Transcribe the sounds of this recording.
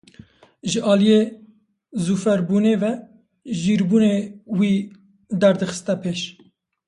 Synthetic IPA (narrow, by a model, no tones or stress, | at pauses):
ʒəʔɑːlije | zufɛɾbuːneːvɛ | ʒiːɾbuːnewiː | d̪ɛɾd̪ɨxɨ̥st̪ɛpʰeːʃ